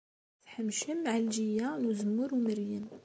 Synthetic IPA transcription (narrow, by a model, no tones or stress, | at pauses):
θħəmʃəmːʕalʒijːanuzəmːʊɾwməɾjəm